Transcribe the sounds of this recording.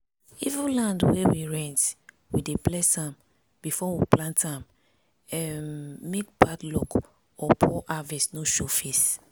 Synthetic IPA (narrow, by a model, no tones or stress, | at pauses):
ivulãndwewiɹɛ̃nt | wideplɛsãm | bifɔwiplãntʰãm | ɛmːekpatlɔk | ɔpʰɔʔavɛsnoʃofes